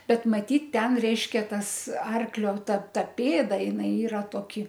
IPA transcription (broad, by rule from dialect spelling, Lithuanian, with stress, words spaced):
ˈbʲɛt mɐˈtʲiːt ˈtʲɛn ˈrʲɛɪʃʲkʲɛ tɐs ˈɐrklʲoː ˈtɐ ˈtɐ ˈpʲeːdɐ jɪˈnɐɪ ˈiːrɐ toːˈkʲɪ